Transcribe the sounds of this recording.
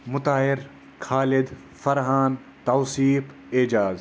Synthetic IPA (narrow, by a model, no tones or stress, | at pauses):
mʊt̪aːɦɪɾ | kʰaːlɪd̪ | fɐɾɦaːn | t̪ɐːsiːf | ɪd͡ʒaːz